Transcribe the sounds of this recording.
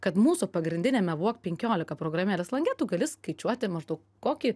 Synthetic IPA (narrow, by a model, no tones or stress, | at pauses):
kɐt̪muːsʊpɐɡɾʲɪndʲɪnʲɛːmʲɛʋuɔkpʲɛŋʲkʲoːlʲɪkɐpɾoːɡɾɐmʲeːlʲɛslˠɐŋɡʲɛt̪ʊɡɐlʲɪskɐɪt͡ʃʲuɔt̪ʲɪmɐʒd̪ɐʊk | koːkʲi